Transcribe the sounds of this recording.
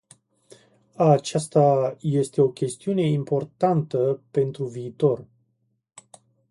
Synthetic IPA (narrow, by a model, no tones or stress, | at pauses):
at͡ʃast̪aje̞st̪e̞o̞kʲe̞st̪iune̞impo̞rt̪ant̪əpe̞nt̪ɾuviːt̪o̞r